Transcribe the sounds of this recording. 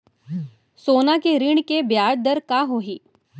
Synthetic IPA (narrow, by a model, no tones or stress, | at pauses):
sonakeɾiɳkebjaɾd̪əɾkaɦoɦiː